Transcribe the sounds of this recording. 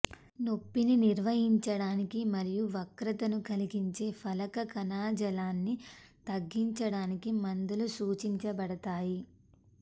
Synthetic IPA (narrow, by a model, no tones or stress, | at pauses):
no̞pːininiɾʋɐɦiɲt͡ʃɐɽaːnikimɐɾijuʋɐkɾɐt̪ɐnukɐliɡiɲt͡ʃe̞ːpʰɐlɐkɐkɐnaːd͡ʒɐlaːnːit̪ɐɡːiɲt͡ʃɐɽaːnikimɐnd̪ulusuːt͡ʃiɲt͡ʃɐbɐɽɐt̪aːji